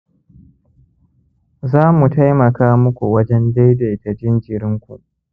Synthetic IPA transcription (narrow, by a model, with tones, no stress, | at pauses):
zaː˦mu˨ta˦jmɐ˨kaː˦mʊ˦kʷu˨wɐ˦d͡ʒɛ˦nda˦jda˨jtɐ˨d͡ʒɪ˦nd͡ʒɪ˨ɾɪ˦ŋkʷṵ˨ʔ